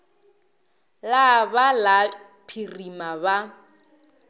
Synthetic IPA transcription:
labala | pʰirimaba

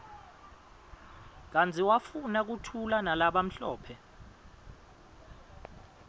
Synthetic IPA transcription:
k̬ant͡sʰʼiwafunak̬utʰulanalaɓam̩ɬɔ̰ːpʰɛ

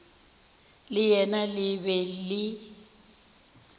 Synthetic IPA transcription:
lɪjɛnalɪβɛlɪ

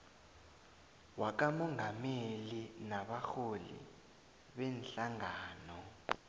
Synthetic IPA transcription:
wak̬amɔŋɡʱamelinaɓaxolḭ | ɓɛnɬaŋaːnɔ

